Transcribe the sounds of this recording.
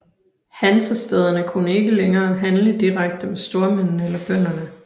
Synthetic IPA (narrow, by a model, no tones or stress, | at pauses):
hænsəsd̥eð̞ˠɐnəkʰunəe̝ɡ̥əleŋɐːɦænləd̥iʁaɡ̥̚d̥əmesd̥o̝ɐmen̰n̩elɐb̥œn̰ɐnə